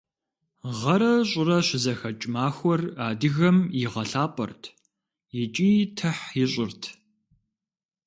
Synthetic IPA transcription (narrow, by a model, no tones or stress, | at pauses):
ʁɐɾɐɕʼɪrɐɕɪzɐxɐt͡ʃʼmaːxʷɔraːdɨɣɐmjiʁɐɬaːpʼɐ̰rtʰ | jɪt͡ʃʼiːtʰɐħjɪɕʼɪrtʰ